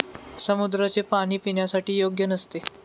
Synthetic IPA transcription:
səmud̪ɾət͡sepaɽ̃iːpiɳjasaʈiːjoɡjənəst̪e

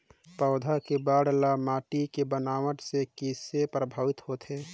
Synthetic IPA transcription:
pəʊd̪ʱakebaɽlamaːʈikebənaːwəʈsekisepɾəbʱaːʋɪt̪hot̪ʰe

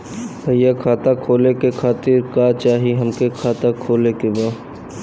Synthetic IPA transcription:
pəɪjakʰaːt̪akʰoːlekekʰaːt̪ɪɾkat͡ʃaːɦiɦɐmkekʰaːt̪akʰoːlekebaː

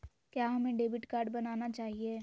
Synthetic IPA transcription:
kjaːɦɐmẽɖeːbɪʈkaːɾɖbɐnaːnat͡ʃaːɦieː

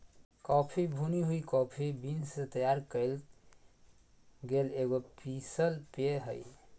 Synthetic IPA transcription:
kɔpʰibʱuniɦuikɔpʰibinset̪əjaɾkəɪl | ɡeleɡopisəlpeɦəj

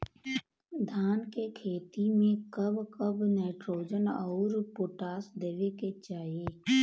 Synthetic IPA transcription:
d̪ʱaːnkekʰeːt̪imẽkəbkəbneːɪʈɾoːd͡ʒənɔːɾpoːʈaːsd̪eːʋeket͡ʃaːeː

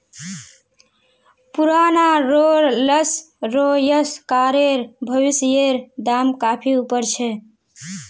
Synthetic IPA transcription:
puɾanaɾoɾləs | ɾojəskaɾeɾbʱəβisjeɾd̪amkapʰiupəɾt͡ʃʰɛ

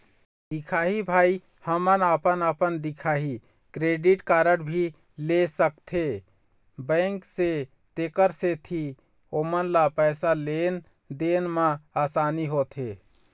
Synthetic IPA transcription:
d̪ikʰaːɦibʱaːi | həmənəpənəpənd̪ikʰaːɦi | kɾeɖiʈkaːɾəɽbʱi | lesəkt̪ʰe | bə̃ŋkse | t̪ekəɾset̪ʰi | oːmənlapɛːsalen | d̪enmãaːsaːniɦot̪ʰe

